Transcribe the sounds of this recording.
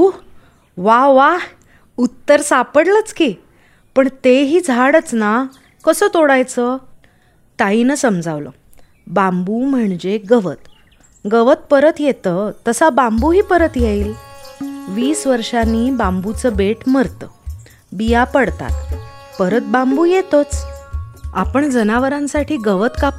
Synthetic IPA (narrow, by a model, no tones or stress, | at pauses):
u | ʋaʋa | ut̪ːəɾsapəɽlət͡skiː | pəɳt̪eɦiːd͡zʱaɽət͡sna | kəsəːt̪oɽajt͡sə | t̪ainəsəmd͡zʱaʋlə̰ | bambum̤əɳd͡ʑeɡəʋət̪ | ɡəʋət̪̚pəɾət̪jet̪əːt̪əsabambuɦiːpəɾət̪jeiːl | ʋiːsʋəɾʂaniːbãmbut͡səbeʈməɾt̪ə | bijapəɽt̪a̰t̪ | pəɾət̪̚bambujet̪ət͡s | a̰pəɳd͡zənaʋəɾãnsaʈʰiːɡəʋət̪ka